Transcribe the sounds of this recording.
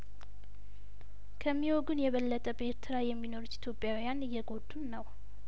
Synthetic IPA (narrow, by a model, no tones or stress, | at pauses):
kʰəmːiwoɡunjɛβəlːət̪ʼəbeɾt̪ʰɨɾajɛmːino̞ɾut̪ːi̥t̪ʰjo̞pʼːjawjanɨjːɛɡo̞d̪ːunːəw